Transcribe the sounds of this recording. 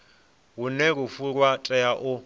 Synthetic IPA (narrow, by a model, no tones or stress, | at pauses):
wunɛɺufuɺwatʼɛjaʔʊ